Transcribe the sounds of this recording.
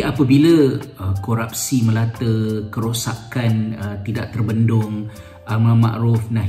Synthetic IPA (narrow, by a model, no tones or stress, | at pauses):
apəbiləəkoɾap̚siməlat̪əkəɾosakanət̪idaʔ̚t̪ərbəndʊŋ | ʔamãmã̰ʔɾʊfnaɦ